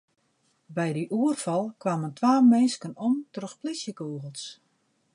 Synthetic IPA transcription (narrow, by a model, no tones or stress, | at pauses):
bɛjdiʔuərfɑlˠkʋaməntʋaːmenskənɔmtrəxplisjəkuːɣəlˠs